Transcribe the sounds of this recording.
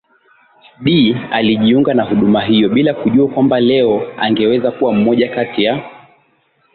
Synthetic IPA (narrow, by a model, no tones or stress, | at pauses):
ɓialiʄiuŋɡanaɦuɗumaɦijɔɓilakuʄuakwambalɛɔa̰ŋɡɛwɛzakuwam̩mɔʄakatija